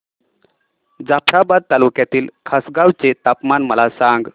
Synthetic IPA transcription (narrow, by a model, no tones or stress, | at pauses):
d͡zapʰɾabad̪̚t̪alukjat̪iːlkʰasɡawt͡set̪apmanməlasaŋɡ